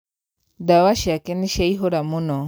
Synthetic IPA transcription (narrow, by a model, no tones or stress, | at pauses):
dawaʃiakɛniʃaiɦoɾamunɔ